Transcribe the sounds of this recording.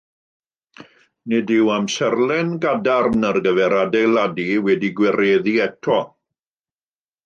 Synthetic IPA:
nɪdɪwamsɛrlˠɛnɡadarnərɡəvɛɾadejlˠadiwɛdiɡwɛɾeːðiɛtʰɔ

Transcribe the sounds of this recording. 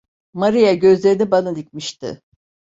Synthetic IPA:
maɾijaɟø̞zlʲe̞ɾinibanad̪icmiʃt̪ɪ̰

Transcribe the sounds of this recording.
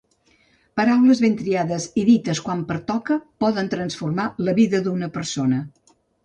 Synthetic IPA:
pəɾawləzβent̪ɾiaðəziðit̪əskwampəɾt̪ɔkəpɔðənt̪ɾənsfurmaləβiðəd̪unəpəɾsonə

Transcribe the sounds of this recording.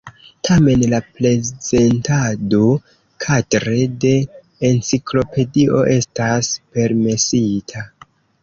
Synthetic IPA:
tʰame̞nlaple̞z̥e̞ntado | kʰadɾe̞de̞ː | nt͡siklo̞pe̞dio̞ʔe̞staspe̞ɾme̞sitʰa

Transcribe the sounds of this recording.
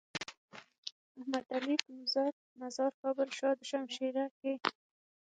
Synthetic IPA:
ahmad̪alikmʊzɑt̪̚ | nazɑɾkɑbəlʃɑd̪əʃamʃeɾake

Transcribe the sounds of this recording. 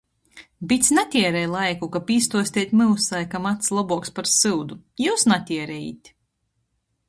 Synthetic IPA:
bit̪sʲnat̪ʲiɛɾɛjlˠajkukapiːst̪uɔsʲt̪ʲiɛt̪ʲmɨlsajkamat̪slˠabuɔkspaɾsɨwd̪ujuːsnat̪ʲiɛɾɛjḭt̪ʲ

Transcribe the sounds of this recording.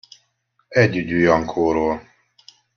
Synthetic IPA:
ɛɟːyɟujɒŋkʰoːɾoːl

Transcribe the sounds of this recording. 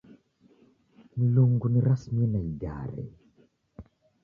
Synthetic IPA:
miluŋɡuniɾasmiɛnaiɟa̰ɾɛ̰

